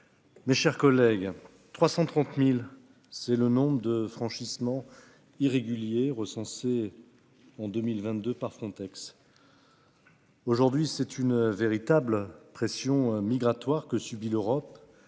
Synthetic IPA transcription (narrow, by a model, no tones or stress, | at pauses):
meʃɛʁkɔlɛɡ | t̪χwasɑ̃t̪χɑ̃t̪mil | sɛlənɔ̃bʁəd̪əfχɑ̃ʃismɑ̃ | iʁeɡʲyljeʁəsɑ̃se | ɑ̃d̪ømilvɛ̃t̪d̪øpaʁfχɔ̃t̪ɛks | oʒuʁd̪ɥisɛt̪ynveʁit̪ablpχesjɔ̃miɡʁat̪waʁkəsybiløʁɔp